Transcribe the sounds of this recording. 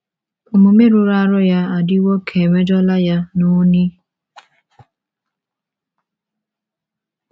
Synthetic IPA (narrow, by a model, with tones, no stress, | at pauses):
o˨mu˨me˦ɾu˦ɾa˦ɾʊ˦ja˦a˨dɪ˦wo˦kʰe˨me˦d͡ʒɔ˦la˦ja˦nu˦ni˦